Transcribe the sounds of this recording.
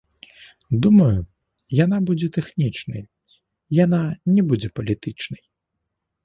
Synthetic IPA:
d̪umɐju | janabud͡zʲɛt̪ɛxnʲit͡ʂnɐ̰j | jananʲɛbud͡zʲɛpɐlʲit̪ɨt͡ʂnɐj

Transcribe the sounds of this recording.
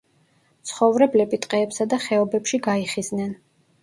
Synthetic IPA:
t̪sʰχɔvɾɛblɛbit̪ʼqʼɛːpsad̪aχɛɔbɛpʃiɡaiχiznɛn

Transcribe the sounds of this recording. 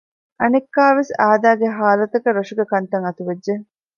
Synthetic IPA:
ʔɐnekːaːʋesaːd̪aːɡeɦaːlɐt̪ɐkɐɾoʂuɡɐkɐnt̪ɐŋɐt̪uʋed͡ʒːe

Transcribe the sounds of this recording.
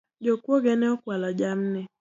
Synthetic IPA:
d͡ʒokʷoɡeneɔkʷwalɔd͡ʒam̩ne

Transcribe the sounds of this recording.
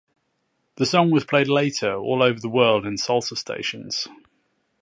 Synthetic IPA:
ðəsɒ̃ŋwɒz̥pʰl̥eɪdˡleɪtʰəɹɔ̰ːləʊvəðəwɜːlˠdɪ̃nsɒlˠtəstʰḛɪʃə̃nz̥

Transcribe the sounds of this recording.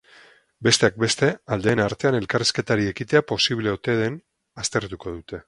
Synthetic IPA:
be̞st̪e̞ak̚be̞st̪e̞ald̪e̞ːnaɾt̪e̞ane̞lkariske̞t̪aɾie̞kit̪e̞apo̞siβle̞ot̪e̞ðe̞n | ast̪e̞ɾt̪uko̞ðut̪e̞

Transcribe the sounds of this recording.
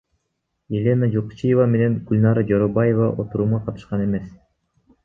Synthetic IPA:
elʲe̞nad͡ʒoqu̥t͡ʃijevame̞ne̞ŋɡ̥ulʲnɑɾad͡ʒoɾobaje̞vɑ̰ʔo̞t̪uɾuːmʁɑqʰɑt̪ɯ̥ʃqɑne̞me̞s

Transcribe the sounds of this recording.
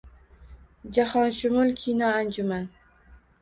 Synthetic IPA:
d͡ʒahɒnʃʊmʊlˠkʲʰijnɒand͡ʒʊman

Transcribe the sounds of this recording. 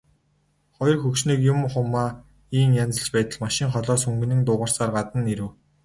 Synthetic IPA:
χɔjɞ̆rxɵkʃniːkjʊmχʊmːaː | iːŋjant͡sə̆ɬt͡ɕpæːt̪ə̆ɮmaʃɪ̆ŋχɔɮɔːsɵŋɡɘ̆nɘ̆ŋt̪ʊːʁə̆r̥saːrɢat̪ə̆nːeɾɘ̆w

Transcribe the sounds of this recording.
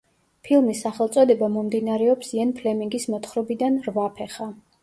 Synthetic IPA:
pʰilˠmisːaχɛlˠt̪sʼɔd̪ɛbamɔmd̪inaɾɛɔpsiɛnpʰlɛmiŋɡismɔt̪ʰχɾɔbid̪anɾvapʰɛχa

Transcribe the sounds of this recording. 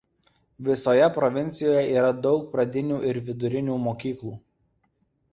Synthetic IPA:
ʋʲɪsoːjɛpɾɔʋʲɪnʲt̪sʲɪjoːjɛʔiːɾɐd̪ɒʊk̚pɾɐd̪ʲɪnʲuːʔɪɾʋʲɪd̪ʊɾʲɪnʲuːmoːkʲiːklˠuː

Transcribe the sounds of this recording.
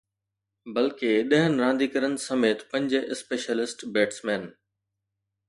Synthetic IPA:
bɐlkeɗɐɦənɪ̆ɾãːnd̪iːkəɾənɪ̆sɐmeːt̪pɐ̃ɲd͡ʑʔɪspeːʃəlɪsʈbeːʈsmɛːn

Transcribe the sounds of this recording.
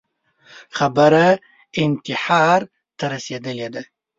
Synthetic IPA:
xabəɾa | ɪnt̪ɪħɑɾ | t̪ɐɾɐsed̪əled̪a

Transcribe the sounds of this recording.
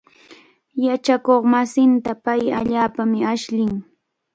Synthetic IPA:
jat͡ʃakoχmasɪnt̪apajaʎaːpamɪaʃʎɪŋ

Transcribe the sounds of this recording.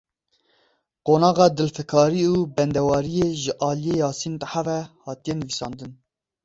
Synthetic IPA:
qoːnɑːɣɑːd̪ɨlfɛkʰɑːɾiuːbɛnd̪ɛwɑːɾijeːʒɨʔɑːlijejɑːsint̪aħavɛhɑːt̪ijɛnɨvisɑ̰ːnd̪ɨn

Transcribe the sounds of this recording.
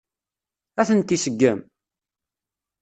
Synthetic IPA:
æθənt̪ːisəɡːəm

